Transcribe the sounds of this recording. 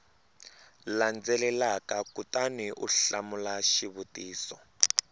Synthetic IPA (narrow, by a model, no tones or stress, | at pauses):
land͡zɛlɛlakakutaniʔuɬamulaʃiβutiːsɔ